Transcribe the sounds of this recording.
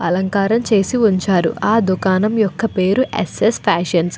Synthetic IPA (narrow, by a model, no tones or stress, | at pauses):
ɐlɐŋkaːɾɐmt͡ʃe̞ːsiuɲt͡ʃaːɾṵʔaːd̪ukaːnɐmjɔkːɐpeːɾuʔḛsespʰaːʃɐns